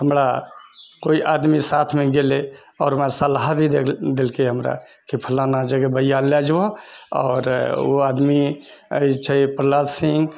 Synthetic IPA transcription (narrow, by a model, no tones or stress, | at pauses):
ɦəmɾa | koiʔad̪misat̪ʰmeɡele | ɔːɾɦəmaɾsəlɦbʱid̪elkeɦəmɾa̰ | kipʰəlanad͡ʒəɡebəjalad͡ʒwoɔ̰ːɾo̰ad̪miə̰it͡ʃʰəpəɾlad̪sĩŋɡ